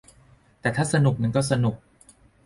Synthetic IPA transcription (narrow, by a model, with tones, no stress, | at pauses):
t̪ɛː˨˩t̪ʰaː˥˩sa˧nu˨˩k̚ma˧nkɔː˥˩sa˧nu˨˩k̚